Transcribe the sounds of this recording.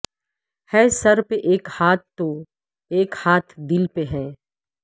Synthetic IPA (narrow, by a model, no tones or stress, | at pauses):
hɛːsɐɾpeʔeːkhaːt̪ːo | eːkhaːt̪ʰd̪ɪlpeɦɛ̃ː